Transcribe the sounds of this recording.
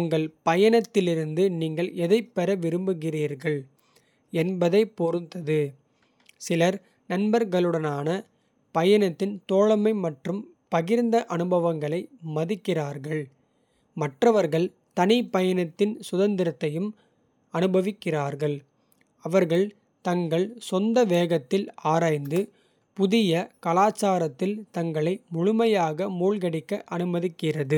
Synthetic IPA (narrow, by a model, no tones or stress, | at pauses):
ʊŋɡɐɭpɐjɐnɐt̪ːɪlɪɾɯnd̪ɯniːŋɡɐɭʔɛðɐɪpːɛɾɐʋɪɾɯmbɯɣɪriːɾɣɐɭ | ɛnbɐðɐɪpːoɾɯt̪ɐðɯ | sɪlɐɾ | nɐnbɐɾɣɐɭɯɽɐnaːnɐ | pɐjɐnɐt̪ːɪnt̪oːɻɐmɐɪmɐʈrɯm | pɐɣɪɾnd̪ɐʔɐnɯbɐʋɐŋɡɐɭɐɪmɐðɪkːɪraːɾɣɐɭ | mɐʈrɐʋɐɾɣɐɭ | t̪ɐnɪpɐjɐnɐt̪ːɪnsʊðɐnd̪ɪɾɐt̪ːɐjɯm | ɐnɯbɐʋɪkːɪraːɾɣɐɭ | ɐʋɐɾɣɐɭ | t̪ɐŋɡɐɭsɔnd̪ɐʋeːɣɐt̪ːɪlaːɾaːjnd̪ɯ | pʊðɪjɐkɐlaːt͡ʃːaːɾɐt̪ːɪlt̪ɐŋɡɐɭɐɪmʊɻʊmɐjaːɣɐmuːlɣɐɽɪkːɐʔɐnɯmɐðɪkːɪrɐðɯ